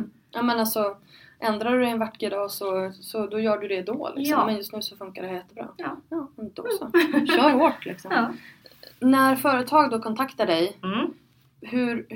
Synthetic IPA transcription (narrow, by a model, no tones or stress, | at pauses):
jʔaːmɛnalsɔʔɛnd̪ɾaɖɵd̪ɛɛnvaʈːkəd̪ɑːsɔsɔd̪ɔjœːɖɵd̪ɛd̪o̰ːlʔɪ̰sɔmmɛnjɵst̪nʉ̟ːsɔfɵŋkaɖɛɦæjɛt̪ːəbɾɑ̰ː | ɪnt̪əɔksɔɕœːɾhoːʈlɪ̰ksɔm | næɾfœːɾət̪ʰɑːɡd̪oːkʰɔnt̪ʰakt̪aɖɛj | hɵɾ